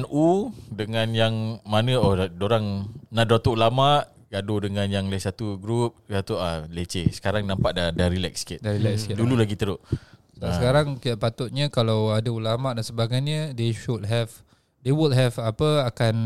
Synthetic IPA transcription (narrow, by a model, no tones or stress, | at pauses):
nudəŋãnjaŋmanəɔdoɾaŋnadat̪uʔulamaʔ | ɡadodəŋãnjaŋləsat̪uɡɾup̚sat̪ualet͡ʃesə̥kaɾaŋnampaʔdadaɾilɛk̚skɪt̪daɾilɛksdululaɡit̪əɾʊʔsaəkaɾaŋkidaʔpat̪ʊt̪̚ɲəkalawadaulamaʔdansəbaɡajɲədeʃud̚ɦɛv | dewulɦɛvapəakan